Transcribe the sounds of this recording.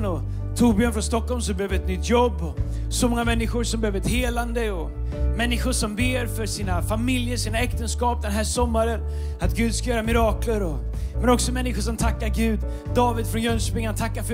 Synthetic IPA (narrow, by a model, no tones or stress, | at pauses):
nɔ | t̪ʰuːbɪanfɾɔnst̪ɔkːɔlms̬ɔmbɛhøːvəɾɛt̪nʏt̪ːjɔbːɔ | sɔmɔŋːamɛnːɪɧʊɾʂɔmbɛhøːvəɾɛt̪heːland̪əɔ | mɛnːɪɧʊʂɔmbeːɾfœʂiːnafamɪljəɾʂiːnaɛkt̪ənskɑːp̚d̪ɛnɦæːʂɔmːaɾən | at̪ɡʉ̟ːd̪skajœːɾamɪɾɑːkləɾɔ | mɛnɔksɔmɛnːɪɧʊʂ̬ɔmt̪ʰakːaɾɡʉ̟ːd̪ | d̪ɑːvɪd̪fɾɔnjœnʂpɪŋːant̪ʰakːaɾf